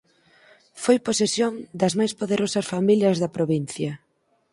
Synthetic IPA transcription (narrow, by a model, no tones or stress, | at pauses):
fojposesjoŋd̪ɐzmajspoðeɾosɐsfamiljɐzðɐpɾoβin̟θjɐ